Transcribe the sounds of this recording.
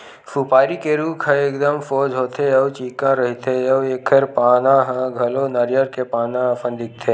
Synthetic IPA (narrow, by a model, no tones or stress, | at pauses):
fʰuːpaːɾikeɾuːkʰəeːkd̪əmfoːd͡ʒɦoːt̪ʰeɐʋt͡ʃiːkãɾɐɦit̪ʰeɐʋeːkʰeɾpaːnãɦə̃ɡʱɐlonəɾjəɾkepaːnãpə̃nd̪ɪk̚t̪ʰeː